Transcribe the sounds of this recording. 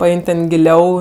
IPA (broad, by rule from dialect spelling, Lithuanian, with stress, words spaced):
pɐˈɛɪnʲ tʲɛn ɡʲɪˈlʲɛʊ